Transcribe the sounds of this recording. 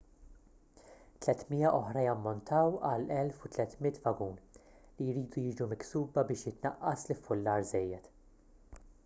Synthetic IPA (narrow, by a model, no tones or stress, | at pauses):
t̪lɛt̪miːjɐʔɔħɾɐjɐmːɔnt̪ʰɐwɐlɛlfut̪lɛt̪mɪt̪vɐɡuːn | lijɾiːd̪ujɪːd͡ʒumɪksuːbɐbɪːʃjɪt̪nɐʔːɐslɪfːʊlːɐːɾzɛjːɛt̪